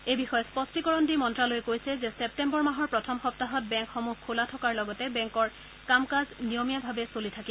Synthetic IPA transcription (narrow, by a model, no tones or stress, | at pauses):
ejbixɔjɔspɔstikɔɹɔndimɔntɹalojkojsɛzɛsɛp̚tɛmbɔɹmaɦɔɹpɹɔtʰɔmxɔp̚taɦɔt̚bɛŋkxɔmuɦkʰolatʰɔkaɹlɔɡɔtɛbɛŋkɔɹ | kamkaznijɔmijabʱabɛsolitʰaki